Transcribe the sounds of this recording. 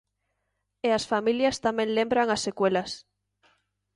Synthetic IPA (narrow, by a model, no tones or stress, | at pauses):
easfamiljast̪amẽŋlẽmbɾaŋasːekwelas